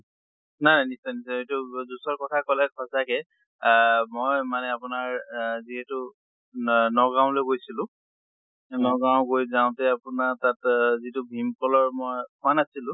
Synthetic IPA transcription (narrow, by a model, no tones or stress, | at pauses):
najnajnisɔjnisɔetuzusɔɹkɔtʰakɔlɛkʰɔsakɛ | mojmanɛapʊnaɹziɦɛtʊ | nɔɡãw̃loɡojsilʊ̃ | nɔɡaʊ̃ɡojzaw̃tɛapʊnatatzitubʱimkɔlɔɹmojkʰʊanasilʊ̃